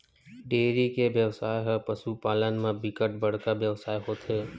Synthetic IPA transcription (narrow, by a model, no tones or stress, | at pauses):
ɖeːɾikeʋjəwsaːeɦɛpəsupaːlənmẽbɪkəʈ̚bəɽ̤kabjəʋsaːeɦoːt̪ʰeː